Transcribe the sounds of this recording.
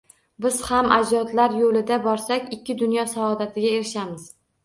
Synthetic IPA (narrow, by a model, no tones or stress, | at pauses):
bɪz̥hamʔa̰d͡ʒɒt̪laɾjolɪd̪abɒɾsakʲɪkʲʰːɪd̪ʊnjɒsaɒd̪at̪ʰɪɡʲae̞ɾɪʃamɪz̥